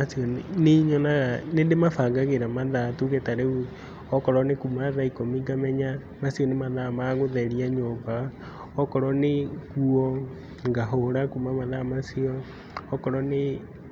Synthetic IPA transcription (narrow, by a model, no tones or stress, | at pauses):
asiɔneɲɔnaɣanedemafaɡaɣeɾamaðatuɣetaɾeu | ɔkɔɾɔnekumaðaikomiɡamɛɲa | masiɔnemaðamaɣoðɛɾiaɲoba | ɔkɔɾɔnekuɔ | ŋɡaɦoɾakumamaðamasiɔː | kɔɾɔne